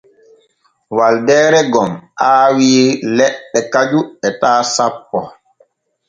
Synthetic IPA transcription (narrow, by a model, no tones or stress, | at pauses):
waldɛːɾɛɡɔmʔaːwiːlɛɗːɛkad͡ʒuɛtaːsapːɔ